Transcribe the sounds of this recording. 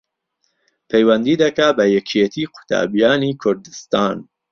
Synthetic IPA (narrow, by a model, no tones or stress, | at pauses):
pʰejwɐnd̪iːd̪ɐkabɐjɛkʰet̪ʰiːqʰʊ̥t̪ʰa̰ːbijaːniːkʰʊɾd̪ɨst̪aːn